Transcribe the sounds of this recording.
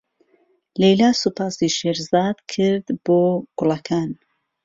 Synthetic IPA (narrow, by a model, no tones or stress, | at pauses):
lejlaːsupʰaːsiʃeɾzaːd̪̥kʰɨɾd̪boːɡ̥ʊlˠɐkʰaːn